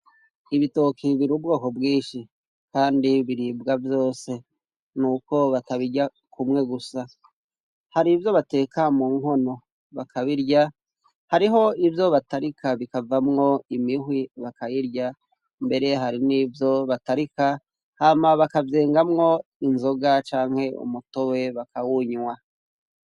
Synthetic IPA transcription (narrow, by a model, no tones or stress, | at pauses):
iβito̞kʰiβiɾubɡoːko̞bɡiːʃi | kaːndiβiɾiːbɡavjo̞ːse̞ | nuːko̞βataβiɟa | kʰumŋe̞ɡusa | haɾivjo̞βate̞ːkamuːŋho̞no̞ | βakʰaβiɾɟa | haɾiɦo̞ivjo̞βataɾikʰaβikavamŋo̞imihwiβakajiɾɟa | mbe̞ɾe̞ɦaɾiniːvjo̞βataɾika | haːmaβakavjeːŋɡamŋo̞inzo̞ɡat͡ʃaːŋhe̞ṵmuto̞we̞βakawuɲwa